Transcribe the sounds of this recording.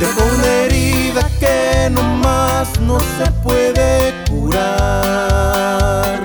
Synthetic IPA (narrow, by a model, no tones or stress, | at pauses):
d̪epoɾmeɾiðakenõmaznõsepweðekuɾa | ɾ